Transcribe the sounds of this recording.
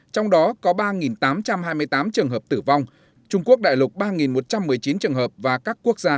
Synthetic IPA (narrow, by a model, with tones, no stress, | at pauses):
t͡ɕɔ˧wŋ͡mɗɔ˨˦kɔ˨˦ɓaː˧ŋi˨˩nt̪aː˨˦mt͡ɕa˧mhaː˧jmɨ˧əjt̪aː˨˦mt͡ɕɨ˨˩əŋɦə˨˩p̚t̪ɨ˧˩va˧wŋ͡m | t͡ɕʊ˧ŋ͡mku˦˥ək̚ɗa̰ː˧˨jlʊ˨˩k͡p̚ɓaː˧ŋi˨˩nmo˨˩t̚t͡ɕa˧mːɨ˨˩əjt͡ɕi˨˦nt͡ɕɨ˨˩əŋɦəː˨˩p̚vaː˨˩kaː˦˥kːu˦˥ək̚zaː˧